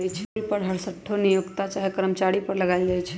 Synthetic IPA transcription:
jt͡ʃʰɛlpəɾɦəɾsəʈʰːonijoɡt̪at͡ʃaɦekɾəmt͡ʃaɽipəɾləɡaɪld͡ʒajt͡ʃʰɛ

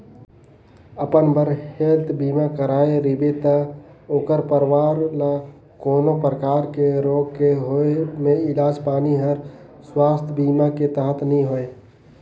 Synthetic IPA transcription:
əpənbəɾhelt̪ʰbiːmakəɾaːeɾibet̪ə | oːkəɾpəɾʋaɾla | koːnopɾəkaːɾkeɾoːɡkeɦoemeɪlaːd͡ʒpaːniɦəɾ | swaːst̪ʰbimaket̪əɦət̪nĩɦoe

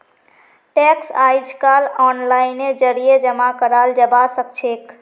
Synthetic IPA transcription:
ʈɛksajd͡ʒʰkalɔnlained͡ʒəɾijed͡ʒəmakəɾald͡ʒəbasəkt͡ʃʰek

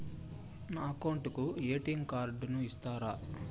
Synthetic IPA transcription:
naɐkɐwɳʈukueːʈiŋɡkaːɾɖunuist̪aːɾaː

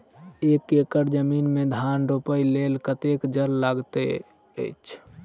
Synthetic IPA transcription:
ekekəɾd͡ʒəminmed̪ʱanɾopəjlelkət̪ekd͡ʒəɾlaɡt̪ḛ | ə̰jt͡ʃʰ

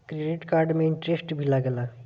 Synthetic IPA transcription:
kɾeɖiʈkaɾɖmẽɪɳʈɾesʈbʱilaɡəla

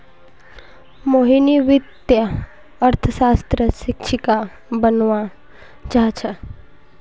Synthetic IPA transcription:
moːɦiniʋɪt̪jə | ɐɾt̪ʰəsaːst̪ɾəsɪkʃʰika | bənʋa | t͡ʃaːt͡ʃʰə

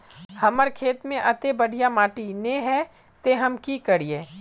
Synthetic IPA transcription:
hɐməɾkʰeːt̪mẽʔɐt̪ebɐɽ̤ʱijamaːʈinẽɦɛ | t̪eɦɐmkikəɾieː

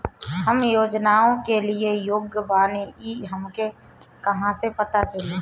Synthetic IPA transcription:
ɦəmjoːd͡ʒnaːõkelɪejoːɡjəbaːneiɦəmke | kɐɦãsepɐt̪at͡ʃəleː

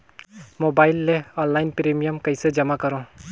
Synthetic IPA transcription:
mobaɪlːeɔːnlajnpɾemijəmkəjsed͡ʒɐmakəɾõ

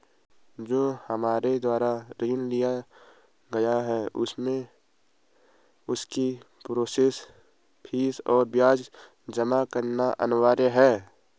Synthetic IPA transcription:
d͡ʒoːhəmaːɾed̪waːɾaɾiːnlija | ɡɐjaɦɛʔʊsmẽ | ʊski | pɾoːseːs | pʰiːsɔːɾbjaːd͡ʒ | d͡ʒəmakəɾnaʔə̰nwaːɾeɦɛː

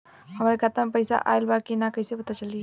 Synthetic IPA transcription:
həmɾekʰat̪əmpəjsa̰ʔa̰jlbakinakəɦjsepət̪at͡ʃəli

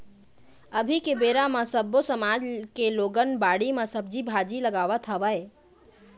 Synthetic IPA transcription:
əbʱikebeɾaməsəbːosəmad͡ʒkeloɡənbaɽiməsəbd͡ʒibʱad͡ʒiləɡaʋət̪ʰəʋəj

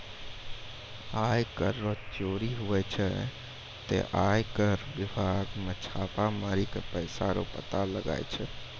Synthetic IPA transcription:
ajkəɾːot͡ʃoːɾiɦuʋɛt͡ʃʰɛ | t̪ḛʔajkəɾʋibʱaɡmet͡ʃʰaːpamaːɾikepəjsaɾo̰pə̰t̪aləɡa̰jt͡ʃʰɛ

